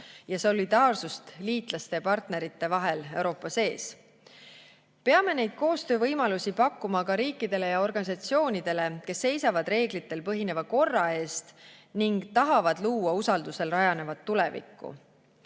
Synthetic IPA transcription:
jɑso̞lːid̪̥ɑːrsust̪liːt̪ˑlɑst̪e̞pɑrt̪ne̞ɾit̪ːe̞vɑɦe̞le̞wɾo̞ːpːˑɑse̞ːs | pe̞ɑme̞ne̞jd̪̥̚ko̞ːst̪ø̞ːvɤjmɑlusipɑkːumɑkɑɾiːkːˑid̪e̞le̞jɑo̞rɡ̥ɑnisɑt̪sio̞ːnid̪̥e̞le̞ke̞sːe̞jsɑvɑd̪̥re̞ːɡlit̪ːe̞lpɤɦine̞vɑko̞rːɑe̞ːst̪niŋɡt̪ɑɦɑvɑd̪luːwɑusɑld̪̥use̞lrɑjɑne̞vɑt̪ːule̞̰vḭkːˑṵ

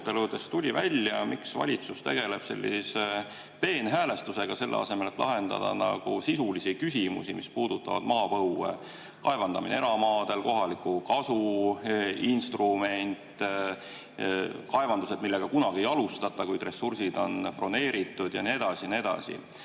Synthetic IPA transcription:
t̪ːelud̪e̞st̪ulʲivælʲjɑmʔiksvɑ̰lʲit̪sust̪eɡ̥e̞le̞b̥se̞̰lʲːḭse | pe̞ːnɦæːle̞st̪use̞ɡ̥ɑse̞lːḛɑ̰se̞me̞let̪ːˑlʔɑ̰ɦe̞nd̪ɑ̰d̪ɑ̰nɑ̰ɡ̥usisulisikysimṵsimispuːd̪̥ut̪ːˑɑvɑ̰d̪̥mɑːpɤwːḛ | kɑe̞vɑnd̪ɑminḛeɾɑmɑːd̪̥e̞lko̞ɦɑlikˑukɑsu | inst̪rume̞nʲt̪ˑː | kɑevɑnd̪use̞d̪̚milːe̞ɡ̥ɑkunɑɡ̥iejɑlust̪ɑt̪ːˑɑkujd̪re̞sːursid̪̥o̞npro̞ne̞ːɾit̪ːˑud̪̥jɑnie̞d̪̥ɑsinie̞d̪̥ɑ̰sḭ

